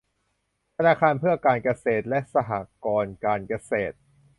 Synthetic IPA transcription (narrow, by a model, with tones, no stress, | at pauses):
t̪ʰa˧naː˧kʰaː˧npʰɯ˥˩ɐkaː˧nka˧seː˨˩t̪̚lɛ˦˥ʔsa˧ɦa̰ː˨˩kɔː˧nkaː˧nka˧seː˨˩t̪̚